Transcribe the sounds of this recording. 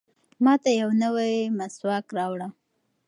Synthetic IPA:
mɑt̪ajawnəwajmaswɑkɾɑwɽa

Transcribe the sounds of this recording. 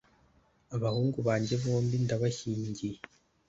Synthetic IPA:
aβahuːŋɡuβaːɲɟe̞βo̞ːmbindaβaçiːɲɟije

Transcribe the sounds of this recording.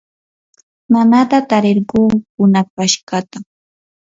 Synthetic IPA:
manat̪at̪aɾeɾɢuːkʊnapaʃkɑt̪a

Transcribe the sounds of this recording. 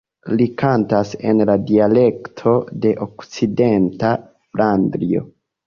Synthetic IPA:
likantase̞̰nladiale̞ktʰo̞de̞ʔokt͡side̞nta | flandɾio̞̰

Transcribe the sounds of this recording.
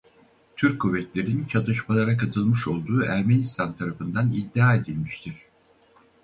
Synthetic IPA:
t̪ʰyɾkkʰːuvːɛt̪lʲe̞ɾint͡ʃʰat̪ɯʃmalˠaɾakʰat̪ʰɯlˠmɯʃo̞lˠd̪uːʔæɾmenist̪ʰant̪ʰaɾafɯnd̪anid̪ːiaːe̞d̪ilʲmiʃt̪ʰiɾ̥

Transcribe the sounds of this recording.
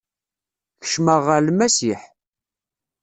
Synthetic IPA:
çə̥ʃməʁəlmæsiħ

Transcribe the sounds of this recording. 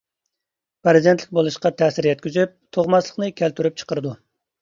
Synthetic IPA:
pɾɨzid̪ent̪lɪ̥k̚ʲbolˠuʃqɑt̪ʰɛːsɪɾjɛt̪̚kʲyzyp̚t̪ʰoʁmɑslˠəχnɨkʲʰælt̪ʰyɾyp̚t͡ʃʰə̥qəɾɨd̪u

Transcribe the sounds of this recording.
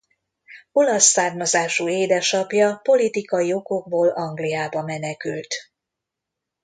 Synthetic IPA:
o̞lɒsːaːrmɒzaːʃueːd̪ɛʃɒpjɒpo̞lit̪ikɒjio̞ko̞ɡ̚boːlɒŋɡlijaːbɒmɛnɛkylt̪

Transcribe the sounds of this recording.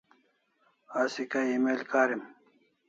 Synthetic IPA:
aːsikaimelkaːɾim

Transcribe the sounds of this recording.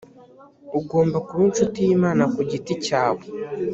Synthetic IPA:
uɡo̞ːmbakuɾunt͡ʃutijimaːnakuɟiticaːβo

